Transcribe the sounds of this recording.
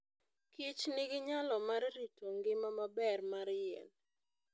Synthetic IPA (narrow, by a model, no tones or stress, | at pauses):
kit͡ʃnɪɡɪɲalɔmaɾɾitʰoŋɡɪmamabɛrmaɾjɛ̰n